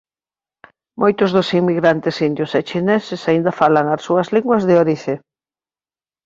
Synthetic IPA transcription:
mʔojt̪ʊzðʊsiŋmiɣɾant̪ɪsind̪jʊset͡ʃinɛsɪsaind̪ɐfalaŋasuɐzliŋɡwɐzðeoɾiθe

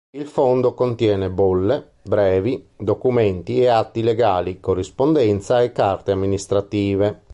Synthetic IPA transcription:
ilfond̪okont̪jɛːnɛbolːe | bɾɛːvid̪okumɛnt̪iɛat̪ːilɛɡaːlikorːispond̪ɛnt̪saɛkːart̪eamːinist̪ɾat̪iːve

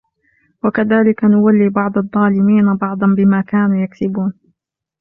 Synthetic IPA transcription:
wakaðaːlɪkanʊwalːiːbɑʕd̪ˤɑðˤːɑːlɪmiːnabɑʕd̪ˤɑnbɪmaːkaːnuːjaksɪbuːn

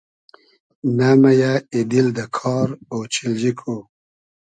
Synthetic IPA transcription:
namajaid̪ild̪əkʰɑɾowt͡ʃɪld͡ʒikʰo

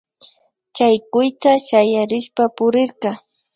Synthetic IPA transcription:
t͡ʃajkʊjt̪aʃajaɾɪʃpapʊɾɪɾqɑ

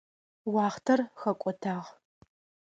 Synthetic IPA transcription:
wɑːχtʰɐrxɐkʷʼɔtʰaːʁ

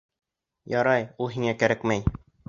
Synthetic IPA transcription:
jɒɾɑjulˠɦiŋækæɾækmæj

